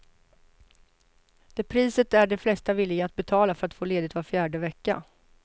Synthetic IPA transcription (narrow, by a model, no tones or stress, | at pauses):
d̪̥ɛpʰɾiːsət̪æɖɛflɛst̪avɪlːɪɡaːt̪̚bɛt̪ʰɑːlafœɾat̪foːleːd̪ɪt̪vaɾfjæːɖəvɛkːa̰